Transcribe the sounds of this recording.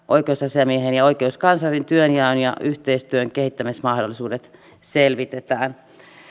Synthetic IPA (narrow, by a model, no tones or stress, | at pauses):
ʔoikeusɑsiɑmieɦenjɑoikeuskɑnsɑrint̪yønjæønjɑ̰yht̪eist̪yøŋkehit̪ːæmismɑhdolːˑisuːdet̪ | selʋit̪et̪æːn